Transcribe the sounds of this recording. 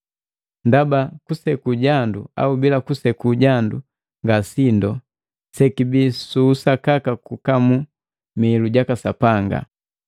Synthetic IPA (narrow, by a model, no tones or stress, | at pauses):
ndabakusɛkuɟandua̰ubilakusɛkuɟandu | ŋɡasindɔ | sɛkibisuːsakakakukamu | miːluɟakasapaŋɡa̰